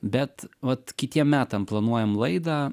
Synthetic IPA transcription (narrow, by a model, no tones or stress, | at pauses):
bʲɛt̪ʋɐt̪kʲɪt̪ʲiɛmmʲæːt̪ɐmplˠɐnuɔjɛmlˠɐɪd̪ɑː